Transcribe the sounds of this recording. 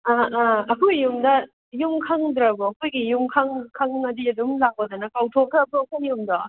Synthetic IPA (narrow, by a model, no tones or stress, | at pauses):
aaɐkʰojːumdɐ | jumkʰaŋdɾɐɡɔɐkʰojɡijumkʰaŋkʰaŋːɐdiɐdumlak̚ɔdanɐkawtʰokʰapʰɔkʰajumdɔ